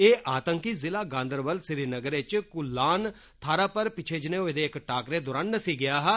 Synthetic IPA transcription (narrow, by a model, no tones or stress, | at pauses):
eːʔaːt̪əŋkiːzɪlaːɡãːnd̪əɾbəlsɪɾiːnəɡəɾet͡ʃkʊlːaːn | t̪ʰaːɾaːpəɾpɪt͡ʃʰeːd͡ʒnẽːoːɪd̪eːkʈaːkɾeːd̪ʊɾannəsiːɡɪjaːɦɛ